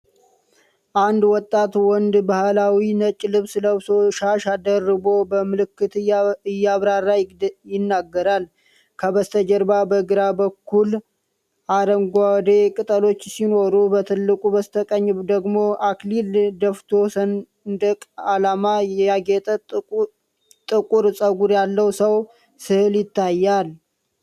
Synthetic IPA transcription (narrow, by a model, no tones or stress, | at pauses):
ʔand̪wɔt̪ʼːat̪wɔnd̪bahlawinət͡ʃʼlɨβsləβsoʃaʃad̪ərːɨbo̞bəmɨlɨkːɨt̪ɨjːaβɾarːajjɪnːaɡːəɾal | kʰəbəst̪ʰəd͡ʒəɾbabəɡɨɾabəkʰːul | ʔaɾəŋɡʷawd̪ekʼɨt̪ʼəlo̞t͡ʃːsino̞ɾubət̪ʰɨlːɨkʼubəst̪ʰəkʼəɲːd̪əɡmo̞ʔaklild̪əft̪ʰo̞sən | d̪əkʼalamajɛjaɡet̪ʼə | t̪ʼɨkʼuɾsʼəɡuɾjalːəwsəw | sɨhɨljɪt̪ʰːajːal